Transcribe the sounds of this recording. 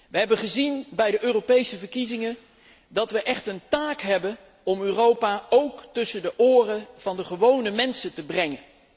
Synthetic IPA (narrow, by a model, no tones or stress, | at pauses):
ʋəɦɛbəχəzinbɛjdəʔøːropejsəvəɹkizɪŋə | dɑtʋəʔɛχtəntaːkɦɛbən | ɔmøːrowpaːowktɵsəndəʔʊːrəv̥ɑndəχəʋownəmɛnsətəbrɛŋən